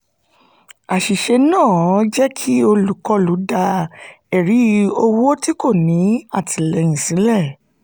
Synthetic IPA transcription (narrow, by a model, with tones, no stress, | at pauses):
a˨ʃi˨ʃe˧nãː˦˨˦d͡ʒɛ˦kʰi˦o˧lu˨kɔ˦lu˨˦da˧ | ɛ˨ɾi˨˦o˧wo˦ti˦ko˦˨nĩ˨˦a˦˨tʰi˨lɛ˧j̃ĩ˨sĩ˨˦lɛ˦˨